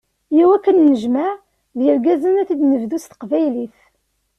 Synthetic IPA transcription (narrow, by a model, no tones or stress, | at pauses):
jiwækːənːəʒma | ðjəɾɡæzənæθid̪nəvðust̪ə̥qvæjliθ